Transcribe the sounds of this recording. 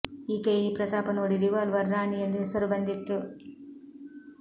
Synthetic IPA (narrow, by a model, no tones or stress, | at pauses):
iːkeːiːpɾɐt̪aːpɐnoːɽiɾiʋaːlʋɐɾːaːɳiend̪uɦɛsɐɾubɐnd̪ʱit̪ːu